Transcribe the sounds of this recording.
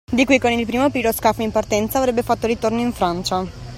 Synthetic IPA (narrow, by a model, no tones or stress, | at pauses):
d̪ikwikonilpɾiːmopiːɾoskafimpart̪ɛnt̪saːvɾebːefat̪ːoɾit̪ornoiɱfɾant͡ʃa